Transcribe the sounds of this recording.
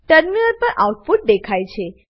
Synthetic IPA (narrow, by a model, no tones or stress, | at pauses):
ʈəɾminəɾpəɾʔawuʈfuʈ̚d̪ekʰajt͡ʃʰe